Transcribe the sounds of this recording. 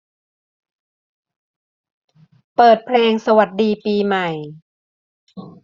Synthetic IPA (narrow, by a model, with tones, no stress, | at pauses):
pɤː˨˩t̪̚pʰlɛː˧ŋsa˧wa˨˩t̪̚diː˧piː˧ma˨˩j